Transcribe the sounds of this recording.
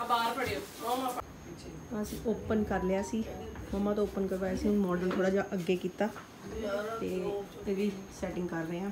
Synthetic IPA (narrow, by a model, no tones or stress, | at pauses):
baːɾbəɽe | ãəsĩːʔoːpənkəɾleaːsiːməmãːt̪õːoːpənkəɾʋaːjaːsiːʊnmɔːɖəlt̪ʰoːɽaːd͡ʒaːʔəɡːeːkiːt̪aː | t̪eːeːʋiːsɛːʈɪ̃ŋɡkəɾːəãː